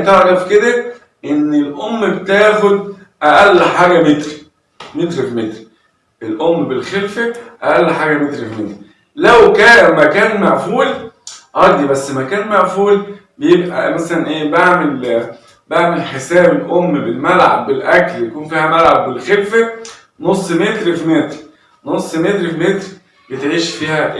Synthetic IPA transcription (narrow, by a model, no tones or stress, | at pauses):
t̪eʕɾˤɑfked̪æ | ʔenːelʔomːbt̪æːxod̪̚ | ʔæʔælːħaːɡæmet̪ɾi | met̪ɾifimet̪ɾi | ʔelʔomːbelxelfæʔæʔælːħaːɡæmet̪ɾifmet̪ɾi | læwkæːmækæːnmaʕfuːlʔɑɾˤd̪ˤibæsːmækæːnmaʕfuːlbejebʔæ̰mæsælænʔeːbaʕmel | baʕmelħesæːbelʔomːbelmælʕa̰bːelʔækljækuːnfiːhæmælʕabːelxelfæ | nosˤːmet̪ɾfimet̪ɾ | nosˤːmet̪ɾfimet̪ɾ | bet̪ʕiːʃfiːhæʔ